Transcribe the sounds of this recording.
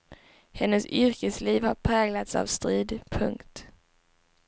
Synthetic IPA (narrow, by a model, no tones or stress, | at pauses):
hɛnːəsʏɾkəsliːvhaɾpʰɾɛːɡlat̪sa̰vst̪ɾiːd̪pʰɵ̰ŋkt̪